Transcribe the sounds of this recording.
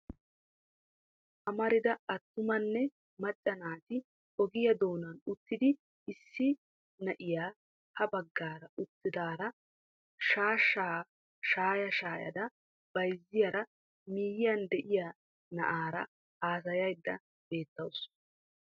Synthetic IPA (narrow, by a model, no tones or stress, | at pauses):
ʔɐmɐɾɪd̪ɐɐt̪ːʊmɐnːɛ | mɐt͡ʃʼːɐnaːt̪ɪ | ɔɡɪjɐd̪o̞ːnɐnʊt̪ːɪd̪ɪ | ɪsːɪ | nɐʔɪjaː | hɐbɐɡːaːɾɐʔʊt̪ːɪd̪aːɾɐ | ʃaːʃːaː | ʃaːjɐʃaːjɐ̰d̪ɐ | b̥ɐjzːɪjɐɾɐ | miːjɪjɐnd̪ɛʔɪjaː | nɐ̰ʔaːɾɐ̰ | aːsɐjɐjd̪ːɐ | b̥e̞ːt̪ːɐwʊs